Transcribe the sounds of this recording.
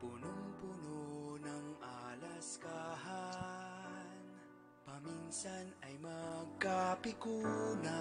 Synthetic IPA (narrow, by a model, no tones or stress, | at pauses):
punʊŋpunonɐŋʔalaskaɦa | n | pɐminsanɐjmɐkːapɪkuna